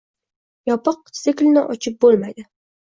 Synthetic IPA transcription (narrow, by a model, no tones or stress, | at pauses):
jɒpɨq̚sɪkʲlnɪʔɒt͡ʃʰɪp̚bolˠmajd̪ɪ